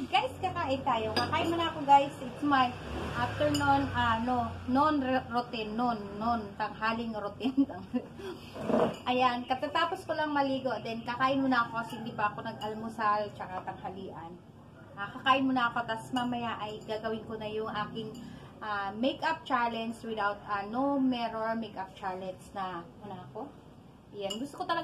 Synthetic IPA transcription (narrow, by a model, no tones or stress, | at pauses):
ɡajskɐkaːʔɪnt̪aːjo̞kɐkaːʔɪmonɐɐko̞ɡajsɪt̪smajʔaft̪ɛɹnonʔanononɾot̪ɪnːonːont̪ɐŋɦaːlɪŋɾot̪ɪnt̪ɐŋ | ʔɐjankɐt̪at̪aːposkolɐŋmɐliːɡo̞d̪ɛnkɐkaːʔɪmːonɐɐkokɐshɪnd̪iːbɐʔɐko̞nɐɡʔɐlmʊsalt͡ʃɐkat̪ɐŋhɐliːʔɐn | ʔaːkɐkaːʔɪmonɐʔɐko̞t̪asmamɐjaʔɐjɡaːɡɐwɪnkonɐjʊŋʔaːkɪŋ | ʔamejkʔɐp̚t͡ʃalɛnswɪd̪awt̪̚ʔɐnomɛɾoɹmekap̚t͡ʃaɹlɛnsnɐmʊnaʔɐko̞ | janɡʊst̪okot̪ɐlɐ